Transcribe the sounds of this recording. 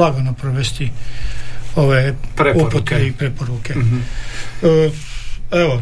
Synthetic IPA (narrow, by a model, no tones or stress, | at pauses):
aɡonopɾoʋest̪i | oʋeːɾeupot̪eipɾepoɾuke | ə | eʋo